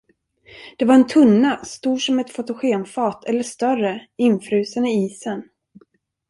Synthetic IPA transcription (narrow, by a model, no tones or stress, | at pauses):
d̪̥ɛvaɾɛnt̪ʰɵnːast̪uːʂɔmɛt̪fʊt̪ʊɧeːmfɑːt̪ʰɛlːəʂt̪œrəɪnːfɾʉ̟ːsanɪiːsən